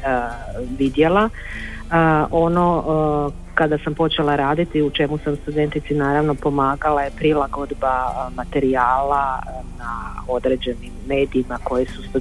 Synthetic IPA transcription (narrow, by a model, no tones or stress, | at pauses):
ʋid̪je̞la | ʔo̞no̞ | kad̪asampo̞t͡ʃe̞laɾaːd̪it̪iut͡ʃe̞musamst̪ud̪e̞nt̪it̪sinaːɾaʋno̞po̞maːɡalajepɾilˠaɡo̞d̪bamat̪e̞ɾiaːlanao̞d̪ɾe̞ːd͡ʑe̞nimːe̞ːd̪iːmako̞jisust̪u